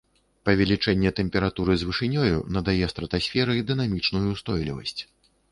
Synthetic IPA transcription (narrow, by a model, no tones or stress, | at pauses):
pɐvʲɛlʲit͡ʂɛnʲːɛt̪ɛmʲpʲɛɾat̪uɾɨzvɨʂɨnʲɔjṵnɐd̪ajɛst̪ɾɐt̪asʲfʲɛɾɨid̪ɨnamʲit͡ʂnujust̪ɔjlʲḭvɐ̰sʲt͡sʲ